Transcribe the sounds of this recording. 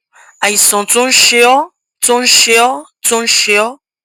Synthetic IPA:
a˨i˨sɔ̃˨to˦n̩˦ʃe˦ɔ˦ | to˦n̩˦ʃe˧˦ɔ˦ | to˦n̩˦ʃe˧ɔ˦

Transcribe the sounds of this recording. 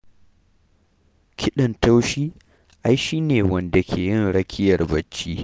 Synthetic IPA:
kʲʰɪ˦ɗɐ˨nta˦wʃiː˦ | ʔa˦jʃiː˦neː˨wɐ˦nda˨kʲʰeː˨jɪ˦nɽɐ˦kʲʰɪ˦jɐ˨rbɐ˨t͡ʃːiː˦

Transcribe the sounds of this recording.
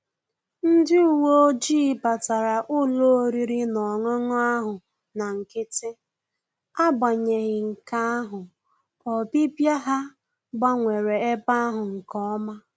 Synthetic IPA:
n̩˦dɪ˦u˨wo˦o˦d͡ʒiː˦pa˨ta˨ɾa˨ʔʊ˦lo˦ɾi˦ɾi˦nɔ˨ŋɔ˦ŋɔ˦a˦ɦʊ˨ | na˨ŋ̩˨kɪ˦tɪ˦ | a˦ba˨ɲe˨ɣɪ˨ŋ̩˨ka˦a˦ɦʊ˨ | ɔ˨pi˦pja˦ɦa˦ | ba˦ŋʷe˨ɾe˨e˦pa˦a˦ɦʊ˨ŋ̩˨kɔ˦ɔ˦ma˦

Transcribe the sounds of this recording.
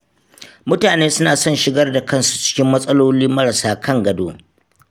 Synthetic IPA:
mʊ˦taː˨neː˦sʊ˦naː˨sɔ˦˨nʃɪ˨ɡɐ˦rda˨kɐ˦˨nsu̥˨t͡ʃɪ̥˦kʲɪ˦mːɐ˦sʼɐ˦loː˦liː˦mɐ˦ɾɐ˨saː˦kʰɐ˦˨ŋɡɐ˨doː˦

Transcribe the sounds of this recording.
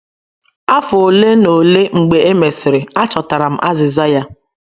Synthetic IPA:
a˦fʊ˨o˨le˦no˨le˦ŋ͡m̩˨ɡ͡be˨e˦me˨sɪ˨ɾɪ˨a˦t͡ʃɔ˨ta˨ɾa˨m̩˨ʔa˦zɪ˨za˦ja˦

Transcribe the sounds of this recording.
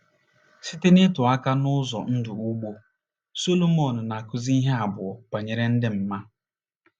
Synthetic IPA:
si˦te˦nɪ˦tʊ˨a˦ka˦nʊ˦zɔ̰˨n̩˦dʊ˨u˦ɡ͡bo˦ | so˦lo˦mo˨nʊ˨na˨kʊ˦zi˦i˦ɦe˦a˨bʊ˨ɔ˨pa˨ɲe˨ɾe˦n̩˦dɪ˦m̩˨ma˦

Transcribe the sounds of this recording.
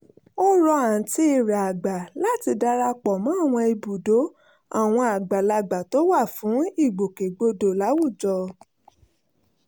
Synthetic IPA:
o˦ɾɔ˧a˨ti˦i˨ɾa˨a˨ɡ͡ba˨la˦ti˧da˧ɾa˧k͡pɔ˨mã˨˦˨w̃ɔ̃˧i˧bu˨do˨˦ | a̰˨w̃ɔ̃˧a˨ɡ͡ba˨la˧ɡ͡ba˨to˨˦wa˦˨fũ˨˦i˦˨ɡ͡bo˨ke˨ɡ͡bo˧do˨la˨˦wu˦˨d͡ʒɔ˧

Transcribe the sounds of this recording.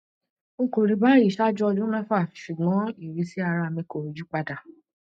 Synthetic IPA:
ŋ̩˦ko˨ɾi˨˧ba˦i˨ʃa˦d͡ʒɔ˦ɔ˧d͡ʒũ˦ɾɛ̃˦fa˦˨ʃu˨ɡ͡bɔ̃˨˦i˦˨ɾi˧˦si˦a˧ɾa˧˨mĩ˧ko˨d͡ʒu˦k͡pa˧da˨

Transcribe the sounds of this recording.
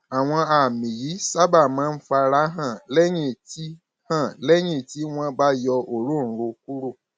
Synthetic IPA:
a˨w̃ɔ̃˧a˨mĩ˨ji˨˦sa˦ba˦˨mãː˨˦n̩˦fa˧ɾa˨˦ɦã˦˨lɛ˦ɲ̃ĩ˦˨ti˦ | hã˦˨lɛ˦ɲ̃ĩ˦˨ti˦w̃ɔ̃˧ba˦jɔ˧ʔo˨ɾũ˦˨˦ɾo˧ku˦ɾo˦˨

